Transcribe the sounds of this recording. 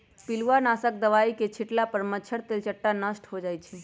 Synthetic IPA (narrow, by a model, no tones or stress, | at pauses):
piluʋanasək̚d̪əʋaiket͡ʃʰiʈlapəɾmət͡ʃʰəɾt̪elt͡ʃəʈːanəsʈɦod͡ʒajt͡ʃʰɛ